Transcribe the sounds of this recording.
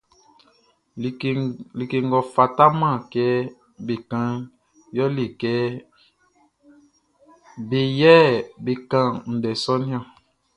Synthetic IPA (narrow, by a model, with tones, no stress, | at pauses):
li˨ke˨ŋ˨ɡɔ˨fa˨ta˦mã˦˨kɛ˦ | be˨kã˦ | jɔ˦li˨kɛ˦ | be˨jɛ˦be˨kã˦n̩˨dɛ˨sɔ˦nĩ˦ɔ̃˨